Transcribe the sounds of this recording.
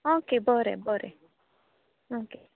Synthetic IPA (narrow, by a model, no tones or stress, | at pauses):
okebɔɾɛ̰bɔɾɛ̰ | oke